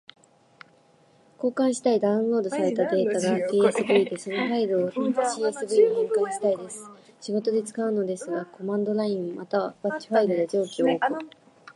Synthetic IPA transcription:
ko̞ːkãɰ̃ɕi̥t̪aid̪aɯ̟̃nɾo̞ːd̪o̞saɾe̞t̪ad̪e̞ːt̪aɡakeːesɨbɯ̟id̪e̞so̞no̞ɸaiɾoːɕiːesɨbɯ̟iikoːkãɰ̃ɕi̥t̪aid̪e̞sɨ̥ɕiɡo̞t̪o̞d̪e̞t͡sɨ̥kaɯ̟no̞d̪e̞sɨɡako̞mãnd̪o̞ɾaĩmmat̪aβabat͡ɕi̥ɸaiɾod̪e̞d͡ʑo̞ːkʲioːkɯ̟

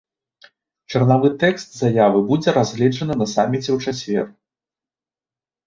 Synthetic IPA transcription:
t͡ʂɐrnavɨt̪ɛkst̪zajavɨbud͡zʲɛɾazʲɣlʲɛd͡ʐɐnɨnɐsamʲit͡sʲɛwt͡ʂasʲvʲɛ̰r

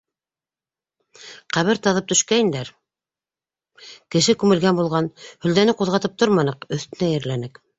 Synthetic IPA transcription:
qæβɘɾt̪ɑðɤp̚t̪ɵ̆ʃkæjind̪æɾ | kɘ̆ʃɘkʉmɘ̆lɡænbulˠʁɑnhɵ̆ld̪ænɘquðʁɑt̪ɤp̚t̪oɾmɑnɤqɵ̆θt̪ɘ̆næjɘ̆ɾlænɘk

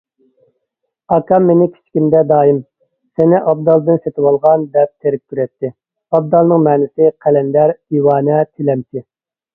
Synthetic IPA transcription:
ɑkʰɑmːenɪkʲʰi̥t͡ʃʰkʲimd̪ɛd̪ɑːim | sɛnɪʔɑb̚d̪ɑlˠd̪ɨnset̪ɪwɑlˠʁɑnd̪ɛp̚t̪ʰeɾɪk̚ʲkʲʰyɾɛt̪ʰːɪ | ɑb̚d̪ɑlˠnɨŋmɛːnɪsɪqʰælɛnd̪æɾd̪iwɑːnɛt̪ʰelɛmt̪ʰɪ

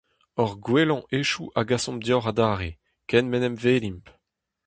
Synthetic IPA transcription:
ɔʁɡwelɑ̃ʔeʃuʔaɡasɔ̃md̪jɔʁad̪aːʁe | kɛnmɛnɛmveːlimp

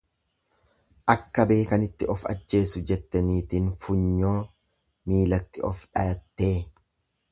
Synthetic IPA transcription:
ʔɐkːɐbe̞ːkɐnɪt̪ːɪɔfɐ̰d͡ʒːe̞ːsʊd͡ʒɛt̪ːɐniːt̪iːnfʊɲːo̞ː | miːlɐt̪ːɪʔɔfᶑɐjɐt̪ːe̞ː

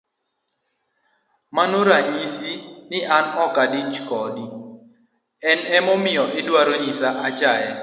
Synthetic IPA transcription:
manoɾad͡ʒisinɪʔanɔkadit͡ʃkɔdi | ɛnɛmɔmɪjɔʔɪdwaɾoɲisaʔat͡ʃajɛ

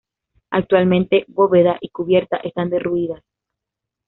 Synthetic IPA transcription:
a̰k̚t̪walmẽ̞nt̪e̞βo̞βe̞ðaʔikuβje̞ɾt̪aʔe̞st̪and̪e̞ruiðas

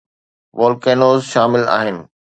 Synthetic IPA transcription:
ʋoːlkeːnoːzʃaːmɪla̰ːɦɪnɪ̆

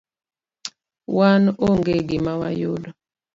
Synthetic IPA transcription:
wanoŋɡeɡɪmawa̰jodɔ

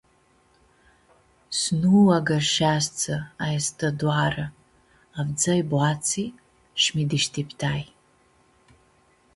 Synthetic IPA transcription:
snuwaɡarʂast͡sʰaajastʰaduara | avd͡zajbʷat͡sʰi | ʂmidɨʃtʰipʰtʰaːj

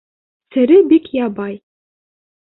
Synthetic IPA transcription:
sɘ̆ɾɘbikjɑbɑj

